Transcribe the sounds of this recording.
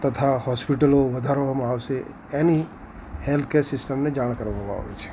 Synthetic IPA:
t̪ɐt̪ʰahɔːspɪʈəloʋəd̪ʱaɾoɦəmaːwse | ɛːni | helt̪ʰkeːɾsɪsʈəmned͡ʒaːɽ̃kəɾoɦoʋa̰ɦo̰ḛt͡ʃʰe̥

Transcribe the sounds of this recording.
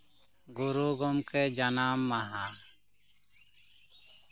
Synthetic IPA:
ɡuɾuɡɔmkɛd͡ʒanamːaɦa

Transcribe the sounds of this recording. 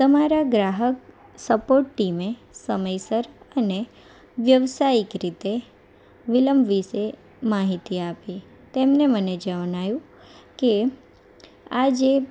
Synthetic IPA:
t̪əmaɾaɡɾaɦək | səpoɾʈːimesəməjsəɾəne | ʋjəʋsaikɾit̪e | ʋiləmbʋise | maɦit̪iapi | t̪emneməned͡ʒəʋnajũ | ke | ad͡ʒe

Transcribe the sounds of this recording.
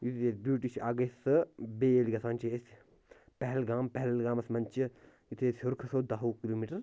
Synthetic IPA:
jut̪ʰesbuːʈit͡ʃʰaːɡesɨbeːliɡɐsaːnʲt͡ʃes | pɛɦlɡaːmpɐɦɛlɡaːmɐsmɐnʲt͡ʃi | jut̪ʰeːsʲɦuɾkʰɐsoːd̪ɐɦoːkiloːmiːʈɐɾ

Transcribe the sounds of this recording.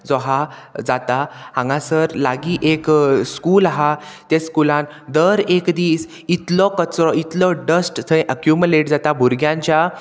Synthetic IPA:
d͡zɔɦad͡zat̪ahãŋɡãsəɾlaɡiːʔekskulaɦat̪ẽskulãn | d̪əɾekd̪iːs | it̪lɔkət͡sɾɔit̪lɔɖəsʈt̪ʰə̃ʔəkjumjuleʈd͡zat̪abʱuɾɡjãɲt͡ɕja

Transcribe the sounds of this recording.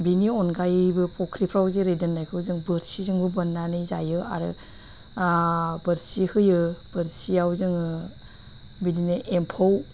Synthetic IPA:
biniɔnɡajbɯpɔkʰɾipʰɾawzeɾedɯnːajkʰɯwzɯŋbɯɾsizɯŋbɯbɯnːanɯjza̰jɯa̰ɾɯ̰ | bɯɾsihɯjɯb̥ɯɾsiawzɯŋɯ | bidinɯʔempʰow

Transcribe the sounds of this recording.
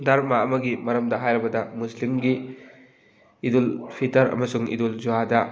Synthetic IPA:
daɾmaɐmɐɡimɐɾɐmdɐɦajɾɐbɐdɐmuslimɡi | dulpʰitɐɾɐ̰mɐsuŋḭduld͡ʒuadɐ

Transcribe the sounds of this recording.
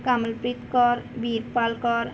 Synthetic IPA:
kaməlpɾit̪kɔɾbiɾpalkɔɾ

